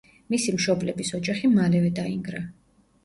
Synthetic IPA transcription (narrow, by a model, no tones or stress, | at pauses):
misimʃɔblɛbisɔd͡ʒaχimalɛvɛd̪aiŋɡɾa